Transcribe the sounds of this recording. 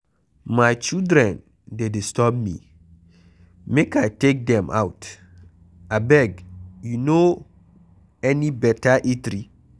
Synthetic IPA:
majt͡ʃildɾɛ̃n | dedestɔp̚mḭ | mekajtek̚dɛ̃mʔa̰wt | abɛɡjuno | ɛnibɛtaʔitɾi

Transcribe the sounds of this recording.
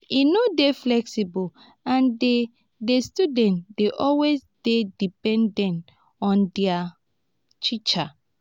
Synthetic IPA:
inodeflɛksibɔl | ãnde | destudɛ̃ntdeʔɔlwes | dedipɛ̃ndɛ̃nt | ɔ̃ndɛa | tʰit͡ʃa

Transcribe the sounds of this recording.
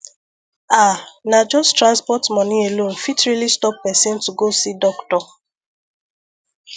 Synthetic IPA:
anad͡ʒɔstɹãnspɔtmɔnielõnfitɹilistɔpːɛsĩntuɡosidɔktɔ

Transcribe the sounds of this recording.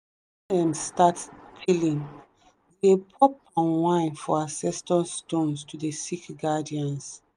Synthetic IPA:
ɛ̃mstatkʰilĩŋ | depʰɔp̚ | ãnwãɪ̃nfɔasɛstɔ̃stõnstudesikɡadiãns

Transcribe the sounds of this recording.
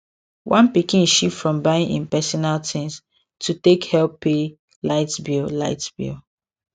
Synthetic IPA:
wʔãnpikĩnʃipfɹɔ̃mbaĩnḭ̃npɛsɔnaltʰĩŋs | tʰutekhɛlppːe | laɪtbillaɪtb̥ḭl

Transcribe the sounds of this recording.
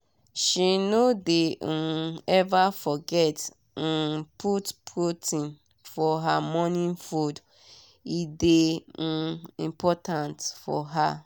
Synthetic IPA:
ʃinode | ɛvafɔɡɛt̩ | pʰutpʰɹotʰĩn | fɔɦamɔ̃nĩnfud | ide | ĩmpʰɔtãntfɔ̰ɦa

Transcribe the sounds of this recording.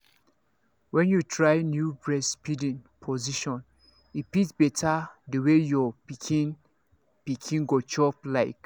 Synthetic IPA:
wɛ̃njutʰɹajnjubɹɛspidĩnpʰoziʃɔ̃n | ipitbɛtʰadewejɔpikʰĩn | pikʰĩnɡot͡ʃɔplaɪk

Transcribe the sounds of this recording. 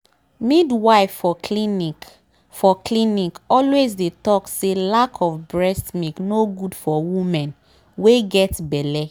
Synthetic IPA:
midwaɪfɔklinik | fɔklĩnikɔlwezdetɔkselakʰɔfbɹɛstmeknoɡudfɔwumɛ̃n | weɡɛtbɛlɛ

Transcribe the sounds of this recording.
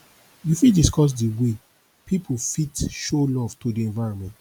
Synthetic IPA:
jufidiskɔs̬diwe | pipufitʃolɔv̥todiɛ̃nvaɪɹɔ̃nmɛ̃nt

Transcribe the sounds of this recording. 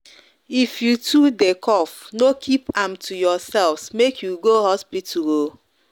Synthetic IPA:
ifjutudekʰɔfnokʰipʰãmtʰujɔsɛlfsmekʰjuɡohɔspitulo

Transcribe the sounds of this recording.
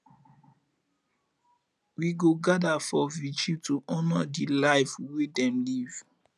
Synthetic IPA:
wiɡoɡadafɔvit͡ʃituʔɔ̃nɔdilaɪfwedɛ̃mliv̥

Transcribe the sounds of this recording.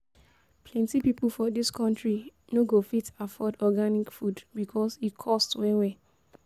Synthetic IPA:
pʰlɛ̃ntipipl̩fɔdiskʰɔ̃ntɹi | noɡofitafɔdɔɡanikfudbikʰɔsikʰɔstwɛ̃wɛ

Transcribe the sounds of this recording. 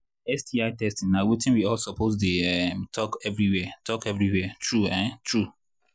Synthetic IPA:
ɛsdiaɪtɛstĩŋnawetĩnwiɔlsɔpʰozdeɛmtʰɔkɛvɹiwɛtʰɔkɛvɹiwɛtʰɹuɛ̃tʰɹu

